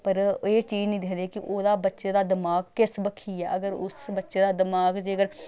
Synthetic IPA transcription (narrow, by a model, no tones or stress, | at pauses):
pəɾeːt͡ʃiːd͡ʒnĩːd̪ekʰnd̪eːkɪʔoːd̪aːbətːʃeːd̪aːd̪ɪmaːɡkɪsbəkʰiːɛːʔəɡəɾʊsbətːʃeːd̪aːd̪ɪmaːɡd͡ʒeːɡəɾ